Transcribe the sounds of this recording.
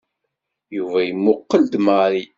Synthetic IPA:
juvæjəmːʊqːəld̪maɾi

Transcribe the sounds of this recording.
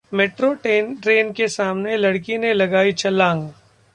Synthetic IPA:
meːʈɾoʈeːnʈɾeːnkesaːmnelɐɽkinelɐɡaːit͡ʃʰɐlːãːŋɡ

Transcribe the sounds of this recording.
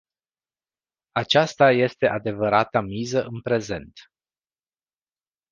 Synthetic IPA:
at͡ʃast̪aje̞st̪e̞ʔad̪e̞vəɾat̪amizəʔɨnpɾe̞ze̞nt̪

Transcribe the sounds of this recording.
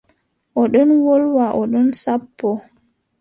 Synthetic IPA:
ʔɔɗɔnwɔlwaʔɔɗɔnsapːɔ

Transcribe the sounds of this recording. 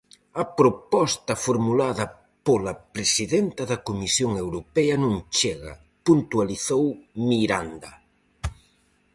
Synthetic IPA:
ɐpɾopɔst̪ɐfoɾmulaðɐ | polɐpɾesiðɛnt̪ɐðɐkomisjoŋewɾopɛɐnũŋt͡ʃɛɣɐ̰ | punt̪ualiθowmiɾand̪ɐ

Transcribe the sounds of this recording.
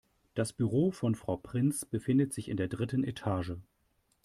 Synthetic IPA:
d̥asb̥yʁoːfɔnfʁ̥aʊpʁ̥ɪnt͡sb̥əfɪndətz̥ɪçɪ̰ndeːɐdʁɪtən̩etʰaːʒə

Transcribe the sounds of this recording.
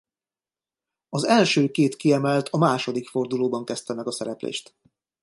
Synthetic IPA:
ɒzɛlʃøːkeːt̪kiɛmɛlt̪ʰɒmaːʃo̞d̪ikfo̞rd̪uloːbɒŋkɛst̪ɛmɛɡɒsɛɾɛplḛːʃt̪

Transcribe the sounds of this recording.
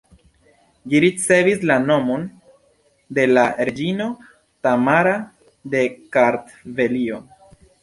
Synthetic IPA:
liɾit͡se̞vislano̞mo̞n | de̞laɾe̞d͡ʒino̞ | tamaɾa | de̞kaɾt | ve̞lio̞

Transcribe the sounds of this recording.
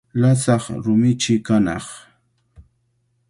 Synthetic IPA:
lasɑχɾʊmɪt͡ʃɪkanɑ̰χ

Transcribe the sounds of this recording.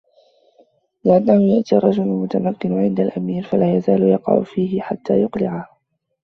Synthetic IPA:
lɪʔanːahʊjaʔt̪iːrˤːɑd͡ʒʊlʊlmʊt̪amakːɪnʕɪnd̪alʔamiːɾfalaːjazaːlʊjɑqɑ̰ʕʊ̰fiːhɪħat̪ːaːjʊqlɪʕah

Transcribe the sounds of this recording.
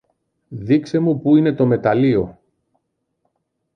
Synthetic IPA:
ðikse̞mupuine̞t̪o̞me̞t̪ɐlio̞

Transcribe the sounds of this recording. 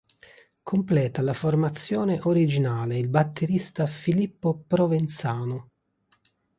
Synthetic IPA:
kʰomplɛːt̪alaformat̪sːjɔːneʔoɾid͡ʒinaːleilbat̪ːeɾist̪afilipːopɾovent̪saːnʊ

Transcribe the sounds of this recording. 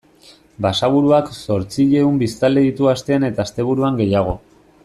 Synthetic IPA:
basaβ̞uɾuakso̞ɾt͡siʎe̞umbist̪ald̪e̞ðit̪uast̪e̞ane̞t̪aːst̪e̞β̞uɾuaŋɡe̞jaɣ̞o̞

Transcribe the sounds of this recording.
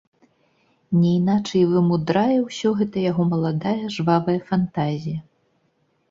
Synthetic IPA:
nʲɛinat͡ʂɐjvɨmud̪ɾajɛwsʲɔɣɛt̪ɐjaɣɔmɐlˠad̪ajɐʐvavɐjɐfant̪azʲijɐ

